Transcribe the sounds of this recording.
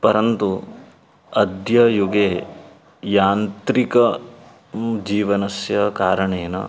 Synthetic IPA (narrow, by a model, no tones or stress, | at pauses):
pɐɾɐnt̪u | ɐd̪jɐjuɡeː | jaːnt̪ɾikɐ | d͡ʒiːʋɐnɐsjɐkaːɾɐɳeːnɐ̰